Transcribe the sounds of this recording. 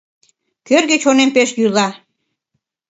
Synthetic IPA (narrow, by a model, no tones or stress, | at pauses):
kørɣet͡ɕonempeʃjyjlɑ